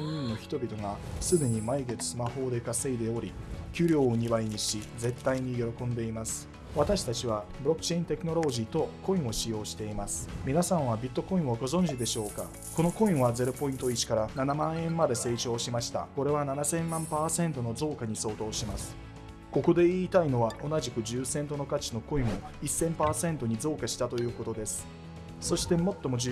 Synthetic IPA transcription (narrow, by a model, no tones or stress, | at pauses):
ɲĩno̞çi̥t̪o̞bʲit̪o̞ŋasɨd̪eɲ̟imaiɡe̞t͡sɨ̥sɨmaho̞ːd̪e̞kase̞id̪e̞o̞ɾʲikʲɨːɾʲo̞ːɲ̟ibaiɲ̟iɕid͡ze̞t̪ːaiɲ̟ijo̞ɾo̞kõ̞nd̪e̞imasɨ̥ | βat̪aɕi̥t̪at͡ɕiβabɯɾo̞kːɯ̟̥t͡ɕe̞ĩnt̪e̞kɯ̟no̞ɾo̞ʑiːt̪o̞ko̞ĩɰ̃o̞ɕijo̞ːɕi̥t̪e̞imasɨ̥mʲinasãɰ̃β̞abʲit̪ːo̞ko̞ĩɰ̃oɡo̞zõ̞ɲ̟d͡ʑid̪e̞ɕo̞ːka̰ | ko̞no̞ko̞ĩɰ̃βaze̞ɾo̞po̞ĩnt̪oit͡ɕi̥kaɾananamãɰ̃ẽ̞mːad̪e̞se̞ːt͡ɕo̞ːɕimaɕi̥t̪a̰ko̞ɾe̞βananasẽ̞mmːãmpaːsẽ̞nt̪o̞no̞zo̞ːkaɲ̟iso̞ːt̪o̞ːɕimasɨ̥ | ko̞ko̞d̪e̞iːt̪aino̞βao̞naʑikɯ̟ʑɨːsẽ̞nt̪o̞no̞kat͡ɕi̥no̞ko̞ĩɰ̃o̞ | isːẽ̞mpaːsẽ̞nt̪o̞ɲ̟izo̞ːkaɕi̥t̪at̪o̞jɯ̟ːko̞t̪o̞d̪e̞sɨ̥ | so̞ɕi̥t̪e̞mo̞t̪ːo̞mo̞ʑ